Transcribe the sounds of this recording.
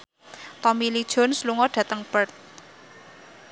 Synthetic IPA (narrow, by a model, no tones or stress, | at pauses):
t̪ɔmilid̥ʒ̥ɔ̤nsluŋɔɖ̥ä̤t̪əŋb̥ərt̪̚